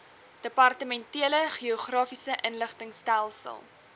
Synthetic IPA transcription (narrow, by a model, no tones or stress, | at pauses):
d̥əpɑrtəmɛntiələχioχrɑːfisəʔənləχtəŋstælˠsə̰lˠ